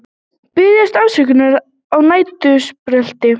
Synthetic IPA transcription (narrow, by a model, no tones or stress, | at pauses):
pɪðjast̪awsɛkʏnaɾ | awnaːjt̪ʏspɾɛl̥t̪ɪ